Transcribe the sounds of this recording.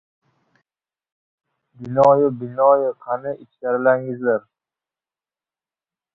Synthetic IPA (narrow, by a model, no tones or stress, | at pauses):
bɪnɒjʊbɪnɒjʊqʰanɪɪt͡ʃkʲaɾɪlaŋɪzlaɾ